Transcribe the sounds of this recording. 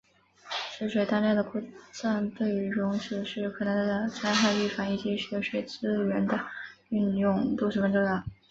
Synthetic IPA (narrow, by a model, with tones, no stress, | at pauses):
ʂə˧˥ʂwe˨˩ɪt̪a˥˧nja˥˧d̪ə˩kʰɔ˥˩t͡sa˥˧nt̪we˥˩ɪɻʊ˧˥ŋʂ̩˧˥ʂɻ̩˥˩kʰɤ˨˩na˧˥˧t͡sʰa˥ɪxa˥˧ɪy˥˩fa˧˥˩ŋi˨˩t͡ɕi˧˥ʂɥɛ˧˥ʂwe˨˩ɪt͡sɹ̩˥ɥɛ˧˥nd̪ə˧y˥˧njʊ˥˧ŋt̪ʂ̩˥˩wə˧˥nʈ͡ʂo˥˧d̪ə˧˩